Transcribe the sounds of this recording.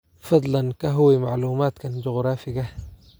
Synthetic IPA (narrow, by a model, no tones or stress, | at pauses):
fɑd̪ˤlɑnkaɦuwimaʕluːmaːt̪kaːnd͡ʒʊɣɾˤaːfiɡa